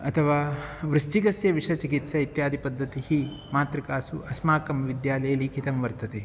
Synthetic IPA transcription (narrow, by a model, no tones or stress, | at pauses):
ɐt̪ʰɐʋaːʋɾust͡ʃikɐsjɐʋiʂɐt͡ʃikit̪sɐit̪jaːd̪ʱipɐd̪ʱːɐt̪ihi | maːt̪ɾikaːsuʔɐsmaːkɐmʋid̪jaːlɐjɐlikʰit̪ɐmʋɐɾt̪ɐt̪e